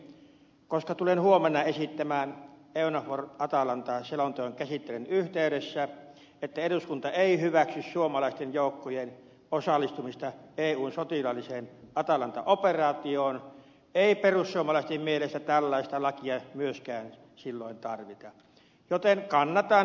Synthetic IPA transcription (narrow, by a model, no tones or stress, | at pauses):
koskɑt̪ulenhuomenːɑesit̪ːæmæːn | eˑunɑforʔɑt̪ɑlɑnt̪ɑselont̪oeŋkæsit̪ːelenyht̪eˑyɾesːæ | et̪ːæeɾuskunt̪ɑeˑihyʋæksyssuomɑlɑˑist̪enjoˑukːojen | osɑlːˑist̪umist̪ɑeːuːnsot̪ilɑlːiseːnɑt̪ɑlɑnt̪ɑ̰ʔoperɑːt̪ioːn | eˑiperussuomɑlɑˑist̪emmielest̪æt̪ælːɑˑist̪ɑlɑkiɑmyøskæːn | silːoˑent̪ɑrʋit̪ɑ | jot̪enkɑnːɑt̪ɑn